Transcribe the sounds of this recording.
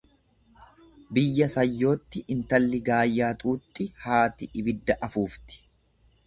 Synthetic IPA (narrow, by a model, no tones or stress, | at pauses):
bɪjːɐsɐjːo̞ːt̪ːɪʔɪnt̪ɐlːɪɡaːjːaːt̪ʼuːt̪ʼːɪhaːt̪ɪʔɪbɪd̪ːɐʔɐfuːft̪ɪ̥